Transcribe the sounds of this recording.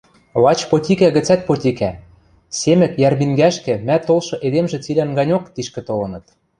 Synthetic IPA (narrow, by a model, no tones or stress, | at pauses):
lɑt͡ɕpot̪ʲikæɣɘ̆t͡sæt̪̚pot̪ʲikæ | semɘ̆kjærmiŋɡæʃkɘ̆mæt̪olʃɤ̆ʔed̪emʒĕt͡silʲænɡɑnʲokt̪iʃkɘ̆t̪olɤ̆nɤ̆t̪